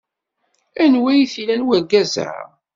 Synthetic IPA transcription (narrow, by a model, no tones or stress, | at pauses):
ænwæjθilænwæɡæzə̰